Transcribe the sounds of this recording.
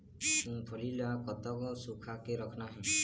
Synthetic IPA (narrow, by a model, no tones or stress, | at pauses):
ũpʰɔlilakɔt̪ɔkɔsukʰakeɾɔkʰnaɦĩ